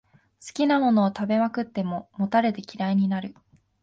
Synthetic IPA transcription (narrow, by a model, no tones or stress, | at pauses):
sɨ̥kʲinamo̞no̞ːt̪abe̞makɯ̟t̪ːe̞mo̞mo̞t̪aɾe̞t̪e̞kʲiɾaiɲ̟inaɾɯ̟